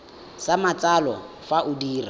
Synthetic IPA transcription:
samat͡sʼalɔ | faʔʊdiːra

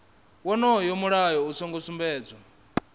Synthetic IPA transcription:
wɔnɔjɔmuɺajɔusɔŋɡɔsumbɛːd͡zɔ

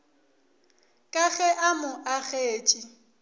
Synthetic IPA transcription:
kʼaɣɛʔamʊʔaɣeːt͡ʃʼi

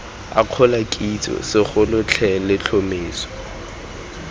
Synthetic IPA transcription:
a̰q͡χʰɔlakʼit͡sʼɔ̰sɪχʊlʊt͡ɬʰɛlɪt͡ɬʰomeːsɔ̥

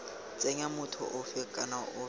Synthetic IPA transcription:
t͡sʼeɲamʊtʰʊ̰ʔʊfɪkʼanaʔʊ

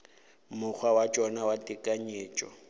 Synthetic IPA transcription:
mʊk͡xʰwawat͡ʃʼɔnawatʼɪkʼaɲeːt͡ʃʼɔ̰

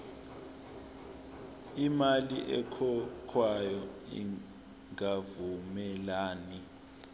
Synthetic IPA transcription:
imaliʔɛ̰kʰɔkʰwajɔḭ | ŋavumɛlaːni

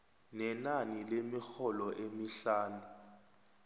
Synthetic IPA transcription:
nɛnanilemixɔlɔʔemiɬaːnu

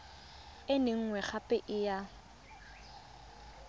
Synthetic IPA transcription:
ɪnɪŋ̩ŋwɛχapʼɛʔɪja

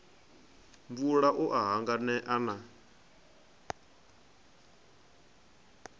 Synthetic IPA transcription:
ɱvuɺaʔuʔaɦaŋɡanɛʔana

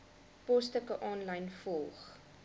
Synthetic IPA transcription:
pɔstəkəʔɑːnlɐjnfɔlˠχ

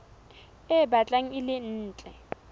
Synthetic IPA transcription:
ɪbat͡ɬʼaŋ̩ɪlɪn̩ːt͡ɬʼɛ

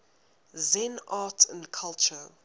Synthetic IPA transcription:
zɛ̃natʰə̰̃nkʰalt͡ʃə

